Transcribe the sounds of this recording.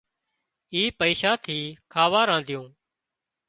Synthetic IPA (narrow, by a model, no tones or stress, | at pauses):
iːpəiːʃaːt̪ʰiːkʰaːʋaːɾãːnd̪ʱɪjõː